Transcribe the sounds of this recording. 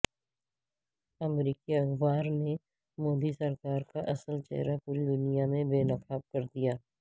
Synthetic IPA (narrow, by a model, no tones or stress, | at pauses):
əmɾiːkiɐxbaːɾne | moːd̪isəɾkaːɾkaʔɐsəlt͡ʃɛ̰ɦɾapuːɾid̪ʊnijamẽbeːnəkaːb̚kəɾd̪ijaː